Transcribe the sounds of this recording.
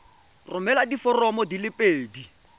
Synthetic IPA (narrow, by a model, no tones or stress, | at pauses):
rʊmɛladifɔrɔmɔdilɪpʼeːdi